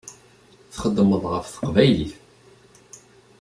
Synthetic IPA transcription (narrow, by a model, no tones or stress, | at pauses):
θχəd̪ːməðˤʁəfθə̥qvæjlḭθ